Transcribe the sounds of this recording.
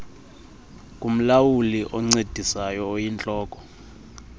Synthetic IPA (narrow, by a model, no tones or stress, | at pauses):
kʼum̩lawuliʔɔŋ͡ǀed̥ʱisajɔːjint͡ɬʼɔːkʼɔ̥